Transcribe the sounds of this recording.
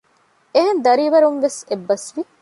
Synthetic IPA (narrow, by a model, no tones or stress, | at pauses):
eɦend̪ɐɾiːʋɐɾunʋesebːɐsʋi